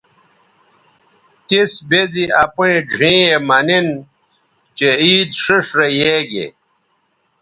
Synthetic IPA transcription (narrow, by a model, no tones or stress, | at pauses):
t̪isbeziɐpuĩɖʱĩːemɐnin | t͡ɕeiːd̪ʂiʂɾejeːɡḛ